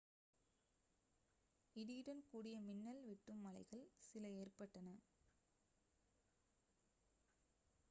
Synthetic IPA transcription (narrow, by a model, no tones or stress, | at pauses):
ɪðiɾɐnkuːɽɪjɐmɪnːɐlʋɪʈːɯmːɐlɐɪɣɐɭsɪlɐeːrpɐʈːɐnɐ